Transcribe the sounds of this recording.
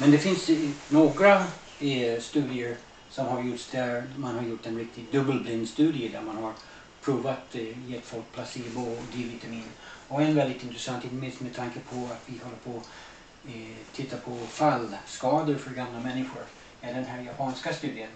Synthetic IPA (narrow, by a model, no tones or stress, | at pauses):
mɛnd̪ɛfɪnsnoːɡɾa | st̪ʉ̟ːd̪ɪəɾ | sɔmhaɾjʊʈʂd̪æɾmanhaɾjʊʈːɛnɾɪk̚t̪ɪɡd̪ɵbəlblɪnd̪st̪ʉ̟ːd̪ɪəd̪æɾmanhaɾ | pʰɾuːvat̪jɛt̪ːfɔlk̚pʰlasiːbɔd̪ɾiːvɪt̪d̪ɛmɪnɔkɛnvɛld̪ɪt̪ɪnt̪ɾɛsant̪hiːt̪mɪst̪mɛd̪t̪ʰaŋkəpʰɔat̪vɪhɔlːəpʰɔ | t̪ʰɪt̪ːapʰɔfalːskɑːd̪əɾfœɾɡamlamɛnːɪɧʊɾ | ɛd̪ɛnɦæːɾjapʰɑːnskast̪ʉ̟ːd̪ɪən